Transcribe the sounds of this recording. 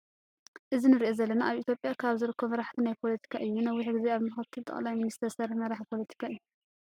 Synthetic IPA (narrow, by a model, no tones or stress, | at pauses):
ʔɨzinɨɾiʔozɐlːɐnaʔaβʔit̪ʰjo̞pʼjakʰaβzɨɾɨkʰːomɐɾaħt̪ʰinajpʰo̞lɐt̪ʰi̥kʰaʔɨjːunɐwːiħɨɡɨzeaβmɨxɐt̪ʰɨlt̪ʼɐ̰χʼlajminist̪ʰɐɾsɐɾiħmɐɾaħpʰo̞lɐt̪ʰi̥kʰaɨjːu